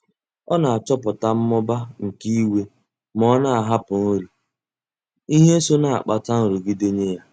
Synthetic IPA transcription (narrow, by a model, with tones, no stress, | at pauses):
ɔ˦na˨a˨t͡ʃɔ˦pʊ˨ta˦m̩˦mɔ˦ba˦ŋ̩˨ki˦i˦we˦ | mɔ˦na˨a˨ɦa˦pʊ˨n̩˦ɾi˨ | i˦ɦe˦so˦na˨a̰˨k͡pa˨ta˦n̩˨ɾu˨ɡi˦de˦ɲe˦ja˦